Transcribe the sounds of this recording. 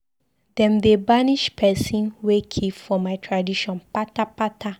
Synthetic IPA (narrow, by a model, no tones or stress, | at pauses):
dɛ̃mdebaniʃpʰɛsĩnwekʰivfɔmajtʰɹadiʃɔ̃npatapatʰa